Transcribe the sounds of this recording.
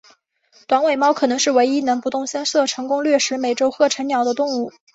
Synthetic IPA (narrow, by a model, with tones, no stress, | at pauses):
t̪wa˧˥nwe˨˩ɪmɑ˥ʊkʰɤ˨˩nɤ˧˥ŋʂɻ̩˥˩we˧˥ɪi˥nɤ˧˥ŋpu˧˥t̪ʊ˥˩ŋɕjɛ˥nsɤ˥˩ʈ͡ʂʰɤ˧˥ŋkʊ˥ŋlɥɛ˥˩ʂɻ̩˧˥me˨˩ɪʈ͡ʂo˥ʊxɤ˥˩ʈ͡ʂʰə˧˥njɑ˨˩ʊd̪ə˦t̪ʊ˥˧ŋu˥˩